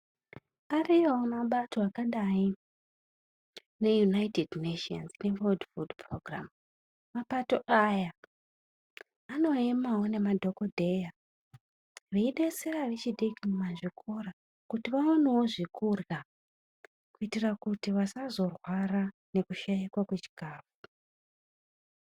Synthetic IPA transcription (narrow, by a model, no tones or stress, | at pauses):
arijoomaɓato̞akaɗai | ne̞junaitedneʃia̰nzne̞ʋoldfudproɡra̰m | mapato̞ʔaja | ano̞emawo̞ne̞madʱo̞ko̞dʱe̞ja | reiɗe̞seraʋe̞t͡ʃiɗikimumaʐikʰoɾa | kutiʋaonewoʐikurɣa | kuitirakutiʋasazo̞rwaɾane̞kuʃajikwakwet͡ʃi̥kaːvu